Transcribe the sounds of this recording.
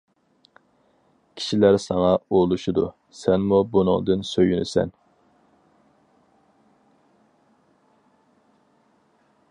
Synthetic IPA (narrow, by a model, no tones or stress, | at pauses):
kʲʰi̥ʃilæɾsɑŋɑolˠuʃud̪u | sɛnmubunʊ̰ŋd̪ɨnsøjynysɛ̰n